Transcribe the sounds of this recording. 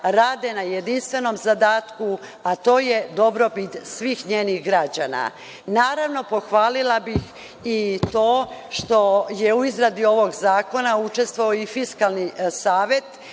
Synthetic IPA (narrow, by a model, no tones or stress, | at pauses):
ɾaːd̪e̞najed̪inst̪ʋe̞no̞mzad̪aːt̪kuat̪o̞ːje̞d̪o̞bɾo̞pit̪sʋiːxɲe̞ːniɣɡɾad͡ʑana̰ | naːɾaʋno̞po̞xʋaːlilˠabix | it̪oːʃt̪o̞je̞uizɾad̪io̞ʋo̞ɡzaːko̞naut͡ʃe̞st̪ʋooifiskalˠnisaːʋe̞t̪